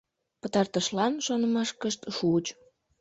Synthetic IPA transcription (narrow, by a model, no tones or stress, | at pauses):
pət̪ɑrt̪əʃlɑnʃonəmɑʃkəʃt̪ʃut͡ɕ